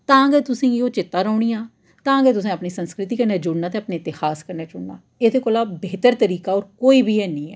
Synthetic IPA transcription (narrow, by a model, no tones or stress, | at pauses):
t̪ãːɡɛːt̪ʊsĩːoːt͡ʃɪt̪ːaːɾaːʊɳiːãː | t̪ãːɡɛːt̪̬ʊsẽːəpniːsənskɾɪt̪iːkəɾneːd͡ʒʊɽnaːt̪eːəpneːɪt̪ɪhaːskəɾneːd͡ʒʊɽna̰ː | ɪd̪eːkoːlaːbeːt̪əɾt̪əɾiːkaːɔːɾkoːiːbiːɛːnĩːɛ̰ː